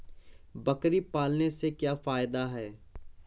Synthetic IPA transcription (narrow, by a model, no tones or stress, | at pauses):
bɐkɾipaːlnesekjaːfaːjd̪aɦɛː